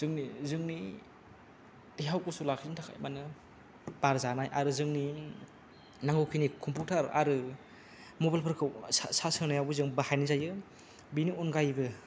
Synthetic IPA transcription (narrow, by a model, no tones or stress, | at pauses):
z̥ɯŋnizɯŋni | diɦawkusulakʰizintʰakʰa̰jmanɯ | b̥aɾzanajʔa̰ɾɯzɯŋni | naŋɡɯwkʰinikʰɔmpʰutʰaɾa̰ɾɯ | mobalpʰɯɾkʰɯwsasɯŋnajawbɯzɯŋbahajnizajɯ | binionɡajbɯ